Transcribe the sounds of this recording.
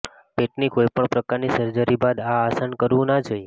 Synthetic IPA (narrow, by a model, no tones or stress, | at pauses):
peʈnikoipəɳpɾəkaɾnisəɾd͡ʒaɾibad̪aːsankəɾʋũnad͡ʒoje